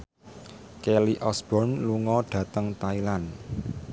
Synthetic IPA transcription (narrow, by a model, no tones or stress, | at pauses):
kɛliʔɔsb̥ɔnluŋɔɖ̥ä̤t̪əŋt̪ailan